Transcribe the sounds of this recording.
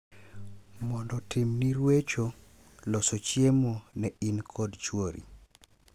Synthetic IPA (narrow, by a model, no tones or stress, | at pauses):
mɔndɔtʰimniɾwet͡ʃo | lɔsot͡ʃjemonɛinkʰɔdt͡ʃwoɾḭ